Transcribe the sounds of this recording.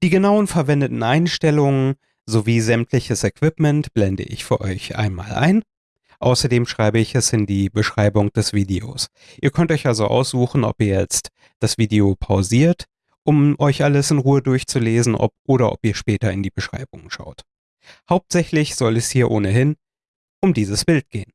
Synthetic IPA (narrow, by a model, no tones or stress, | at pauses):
d̥iːɡənaʊənfɛɐvɛndətn̩ʔaɪnʃtɛlʊŋən | zoviːzɛmtʰlɪçəsɛkv̥ɪpmɛntb̥lɛndə̰ʔɪ̰çfyːɐʔɔ̰ʏçʔa̰ɪnma̰ːlʔa̰ɪn | ʔaʊsɐdeːmʃʁ̥aɪbəɪçɛsɪndiːbəʃʁ̥aɪbʊŋd̥ɛsv̥iːdeo̰ːs | ʔiːɐkʰœntʔɔʏçʔalzoʔa̰ʊsz̥uːxn̩ʔɔ̰piːɐjɛt͡st | d̥asv̥iːdeopʰaʊziːɐt | ʔʊmʔɔʏçʔaləsɪnʁuːədʊɐçt͡suleːzn̩ʔɔ̰p̚ʔoːɾɐʔɔ̰piːɐʃpɛːtɐɪndiːbəʃʁ̥a̰ɪbʊŋʃa̰ʊt | haʊp̚tz̥ɛçlɪçz̥ɔlɛshiːɐʔoːnəɦɪn | ʔʊmdiːzəsb̥ɪlt̚ɡ̥eːən